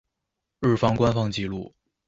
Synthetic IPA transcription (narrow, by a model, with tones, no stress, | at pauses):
ɻɻ̩˥˩fɑ˥ŋkwa˥nfɑ˥˧ŋt͡ɕi˥˧lu˥˩